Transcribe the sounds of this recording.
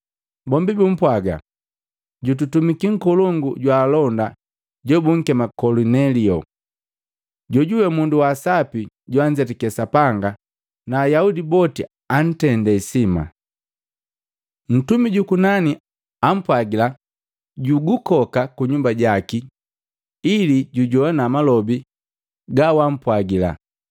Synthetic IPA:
bɔmbibum̩pwaɡa̰ | ɟut̬utumikiŋ̩kɔlɔŋɡuɟwaːlɔnda | ɟɔbuŋ̩kɛmakɔlunɛliɔ | ɟɔɟuwɛmunduwasapi | ɟwaɲd͡ʒɛtikɛsapaŋɡa | naːjaudibɔti | an̩tɛndɛisima̰ | n̩tumiɟukunani | am̩pwaɡila | ɟuɡukɔkakuɲumbaɟaki | iliɟuɟɔanamalɔbi | ɡawam̩pwaɡila̰

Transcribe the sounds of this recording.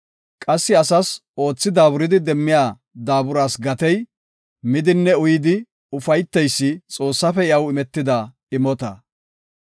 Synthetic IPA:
kʼɐsːɪɐsɐso̞ːt͡sːɪd̪aːbʊɾɪd̪ɪd̪ɛmːɪjaː | d̪aːbʊɾaːsɡɐt̪ɛj | mɪd̪ɪnːɛʊjɪd̪ɪ | ʊfɐjt̪ːɛjsːɪt͡sʼo̞ːsːɐfɛɪɐwɪmɛt̪ːɪd̪ɐ | ɪmɔt̪ɐ

